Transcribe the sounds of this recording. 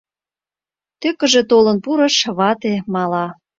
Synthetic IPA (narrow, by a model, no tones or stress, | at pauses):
t̪økə̆ʒĕt̪olɤnpuɾɤ̆ʃβɑt̪emɑlɑ